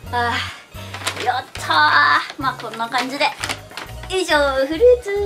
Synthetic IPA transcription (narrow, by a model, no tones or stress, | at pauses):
a | jot̪ʰːamakõ̞nːakãɲ̟d͡ʑid̪e | iʑoːɸɯ̟ɾɯ̟t͡sɨ